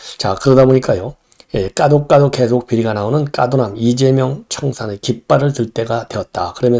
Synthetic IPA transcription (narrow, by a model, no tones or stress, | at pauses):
t͡ɕakɯɾʌdaboɲik͈ajo | jek͈adok͈adoke̞sʰok̚p͈iɾiɡanaonɯnk͈a̰donamid͡ʑe̞mjʌŋt͡ɕʰʌŋsʰanekip̚p͈aɾɯɭtɯɭt͈e̞ɡatwe̞ʌt̚t͈akɯɾʌmjʌ